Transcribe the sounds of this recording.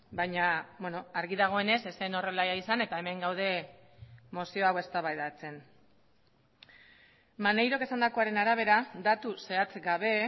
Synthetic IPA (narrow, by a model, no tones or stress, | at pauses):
bajɲabweno̞aɾɣiðaɣ̞o̞e̞ne̞sese̞no̞re̞lajaisane̞t̪ae̞me̞ŋɡawð̞e̞ | mo̞sio̞awe̞st̪aβajðat͡se̞n | mane̞jɾo̞ke̞sand̪ako̞aɾe̞naɾaβ̞e̞ɾad̪at̪use̞at͡sɡaβ̞e̞